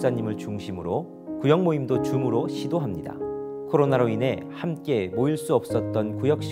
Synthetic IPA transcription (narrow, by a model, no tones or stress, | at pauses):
s͈aɲimɯɭt͡ɕuŋɕʰimɯɾo | kujʌŋmoimdot͡ɕumɯɾoɕʰidoɦamɲida̰ | kʰoɾonaɾoine̞hamk͈e̞moiɭs͈uʌp̚s͈ʌt̚t͈ʌnkujʌk̚ɕ͈